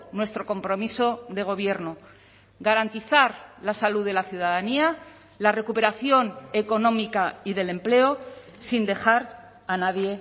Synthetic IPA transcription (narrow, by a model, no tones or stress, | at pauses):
nwe̞st̪ɾo̞ko̞mpɾo̞miso̞ðe̞ɣ̞o̞β̞je̞ɾno | ɣaɾant̪iθaɾlasaluðe̞laθjuðaðania | lare̞kupe̞ɾaθjo̞ne̞ko̞nõ̞mikaiðe̞le̞mple̞o | sind̪e̞xaɾ | anaðje̞